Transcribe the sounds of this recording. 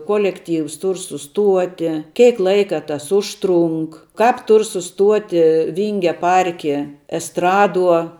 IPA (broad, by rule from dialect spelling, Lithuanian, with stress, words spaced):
ˈkoːlʲɛkˌtʲiːws ˈtʊr sʊˈstuɔtʲɪ ˈkʲɛɪk ˈlˠɐɪkɐ tɐs ˈʊʃtˌrʊŋk kɑːp ˈtʊr sʊˈstuɔtʲɪ ˈʋʲiːŋʲɡʲɛ ˈpɐrʲkʲɪ ɛsˈtrɑːˌduɔ